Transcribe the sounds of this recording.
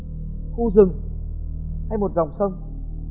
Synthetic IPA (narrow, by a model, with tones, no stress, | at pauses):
xu˧zɨ˨˩ŋ | ha˧jmo˨˩t̚za˨˩wŋ͡msə˧wŋ͡m